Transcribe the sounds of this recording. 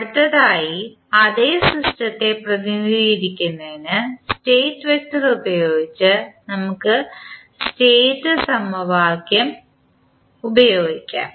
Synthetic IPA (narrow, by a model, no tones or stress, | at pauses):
ɐɽut̪ːɐðaːji | ɐðe̞ːsrisʈɐt̪ːe̞prɐðinːiiɾikʲːunːɐðinɨsʈe̞ːtːɨʋektːɐðubɐjo̞ːɡit͡ɕːɨnɐmukːɨ | sʈe̞ːtːɨsɐmɐʋaːɡjɐm | ubɐjo̞ːɡikʲːa̰ːm